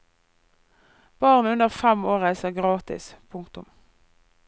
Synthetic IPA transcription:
b̥ɑːʁnəʉnəʁfɛmoːʁæɪsəʁɡʁɑːt̪ɪ̰spʰʊŋkt̪ʊm

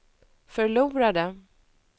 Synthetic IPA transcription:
fœɭuːɾad̪ə

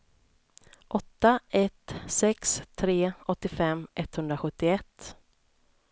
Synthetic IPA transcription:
ʔɔt̪ːaɛt̪sɛkst̪ʰːɾeːɔt̪ːɪfɛmːʔɛt̪ːhɵnd̪ɾaɧɵt̪ːɪɛt̪ː

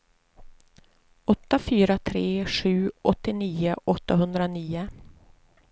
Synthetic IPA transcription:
ɔt̪ːafyːɾat̪ʰɾeːʂʉ̟ːʔɔt̪ːɪniːʊʔɔt̪ːaɦɵnd̪ɾaniːʊ

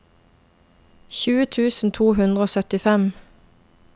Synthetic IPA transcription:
çʉːət̪ʰʉːsn̩t̪ʰuːhʉnd̪ʁəoːsœt̪ɪfɛm

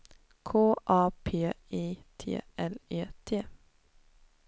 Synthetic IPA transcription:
kʰoːʔɑːpʰeː | iːt̪ʰḛːʔɛleːt̪ʰeː

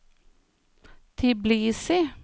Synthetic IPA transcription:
t̪ʰɪbliːsɪ

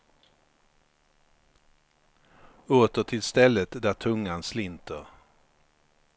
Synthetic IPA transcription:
oːt̪əʈʰɪlst̪ɛlːət̪d̪æʈ̪ʰɵŋːanslɪnt̪əɾ

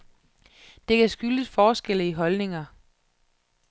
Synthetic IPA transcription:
d̥e̝kʰæsɡ̥yləd̥fɒːsɡ̥el̰əiɦɒ̽lne̝ŋɐ

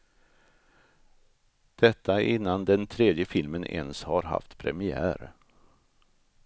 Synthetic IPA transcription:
d̪̥ɛt̪ʰːaʔɪnːand̪ɛnt̪ʰɾeːd̪jəfɪlmənʔɛ̰nshaɾɦa̰ft̪pʰɾɛmɪæ̰ːɾ

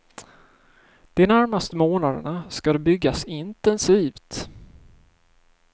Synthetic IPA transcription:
d̪̥ɪnæɾmast̪əmoːnad̪ə̰ɳaskad̪ɛbʏɡːasɪnt̪ɛnsiːft̪

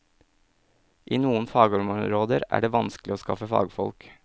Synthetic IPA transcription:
ʔiːnuːənfɑːɡɔmɾoːd̪əɾæ̰ːɖeːʋɑnsklɪoːskɑ̰fəfɑ̰ːɡfɔlk

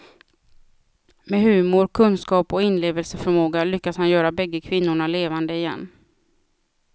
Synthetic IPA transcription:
mɛɦʉ̟ːmʊɾkʰɵnskɑːpɔɪnleːvəlsəfœɾmoːɡalʏkːashanjœːɾabɛɡːəkʰvɪnːʊɳaleːvand̪əɪjɛ̰nː

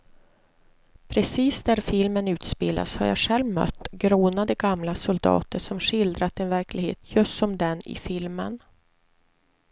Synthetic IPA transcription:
pʰɾɛsiːsd̪æɾfɪlmənʉ̟ːt̪speːla̰sha̰ɾja̰ɧɛlvmœ̰t̪ːɡɾoːnad̪əɡamlasɔld̪ɑ̰ːt̪əʂɔmɧɪld̪ɾat̪ɛnvæɾklɪɡhḛːt̪jɵst̪ɔmd̪ɛnɪ̰fɪlmə̰n

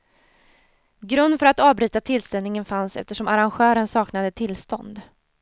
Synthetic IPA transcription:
ɡɾɵnd̪fœɾat̪ɑːvbɾʉ̟ːt̪at̪ʰɪlst̪ɛlnɪŋənfansɛ̰ft̪əʂɔmaɾanɧœːɾənsɑːknad̪ət̪ʰɪlːst̪ɔ̰nd̪

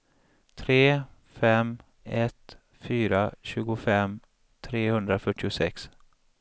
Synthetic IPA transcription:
t̪ʰɾeː | fɛm | ɛt̪ | fyːɾaɕʉ̟ːɡʊfɛm | t̪ʰɾeːhɵnd̪ɾafœʈːɪʊsɛ̰ks

